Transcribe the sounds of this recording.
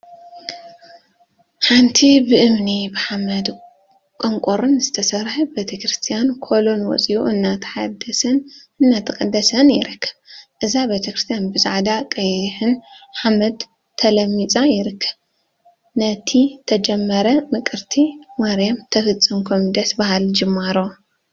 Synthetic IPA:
ħant̪ʰibɨʔɨmnibɨħamɐd̪ | kʼoŋkʷʼoɾunzɨt̪ʰɐsɐɾħɨbet̪ʰɐkɾɨst̪ʰijankʰo̞lo̞nwɔ̰t͡sʼiʔuʔɨnːat̪ʰħad̪ɐsɨnɨnːat̪ʰɨkʼɐd̪ːɐsɐnjɪɾɨkʰːɐ̥βʔɨzabet̪ʰɐkɾɨst̪ʰijanbɨzʼa̰ʕd̪akʼɐjħɨnħamɐd̪ | t̪ʰɐlɐmːit͡sʼajɪɾɨkʰːɐ̥β | nɐt̪ʰit̪ʰɐd͡ʒɛmːɐɾɐmɨkʼɨɾt̪ʰimaɾjamt̪ʰɐfɨt͡sʼːɨmkʰomid̪ɐsbahald͡ʒɨmːaɾo

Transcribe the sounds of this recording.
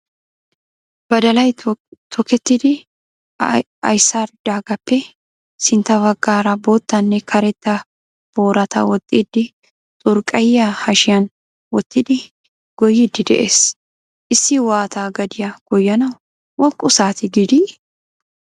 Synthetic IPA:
b̥ɐd̪ɐlɐjt̪ʰɔkɛt̪ːɪd̪ɪ | ɐ̰jsaɾd̪aːɡɐpːɛ | sɪnt̪ɐbɐɡːaːɾɐboːt̪ːɐnːɛkʰɐɾɛt̪ːɐ | b̥oːɾɐt̪ɐ̰wɔt̪ʼːiːd̪ːɪ | t̪ʼʊɾkʼɐjːɐhɐʃɪjɐn | wɔt̪ʼːɪd̪ɪ | ɡ̥ɔjɪd̪ːɪd̪ɛʔeːs | ʔɪsːɪwaːt̪aːɡɐd̪ɪjɐɡ̥ɔjːɐnɐw | wɔkʼːʊsaːt̪ɪɡɪd̪i

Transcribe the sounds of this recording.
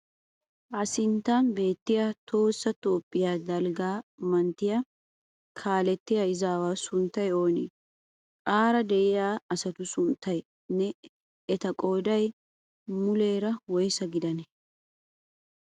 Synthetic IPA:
ʔɐsɪnt̪ːanbe̞ːt̪ːɪjat̪ʰo̞ːsːɐt̪oːpʼːɪjaːd̪ɐlɡaːmɐnt̪ːɪjɐ | kʰaːlɛt̪ːɪjɐɪzaːwaːsʊnt̪ːɐjo̞ːnḭ | kʼaːɾɐd̪ɛʔɪjaːɐsɐt̪ʊsʊnt̪ːɐj | nɛ | ɛt̪ɐkʼoːd̪ɐj | mʊle̞ːɾɐwɔjsɐɡɪd̪ɐnɛ

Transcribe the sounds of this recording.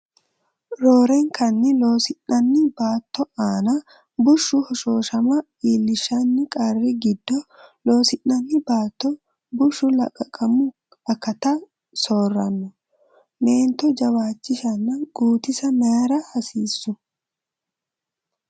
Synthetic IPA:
ɾoːɾɛŋkʰɐnːɪlo̞ːsɪnːɐnːɪbaːt̪ːɔaːnɐ | bʊʃːʊhɔʃoːʃɐmɐ | iːlːɪʃɐnːɪkʼɐrːɪɡɪd̪ːɔlo̞ːsɪnːɐnːɪbaːt̪ːɔ | bʊʃːʊlɐ̰kʼɐkʼːɐmʊ | ɐkːɐt̪ɐ | soːrːɐnːʊ | me̞ːnt̪ɔd͡ʒɐwaːt͡ʃːɪʃɐnːɐɡ̥uːt̪ɪsɐmɐɐɾɐhɐsiːsːʊ

